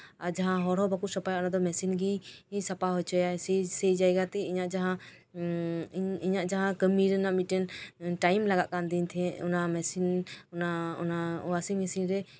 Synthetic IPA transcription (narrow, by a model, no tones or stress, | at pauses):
aɾd͡ʒaɦãɦɔɾɦɔbakuʔsɔpajaʔnad̪ɔmɛsinɡiĩsapaɦɔjt͡ʃʰɔjasɛsɛjd͡ʒajɡat̪ɛiɲaʔd͡ʒaɦã | iɲaʔd͡ʒaɦãkəmiɾnaʔmiʈɛnʈajmlaɡaʔkand̪int̪ʰɛ̃ʔɔ̰namɛsinnaɔ̰naɔwasimɛsinɾɛ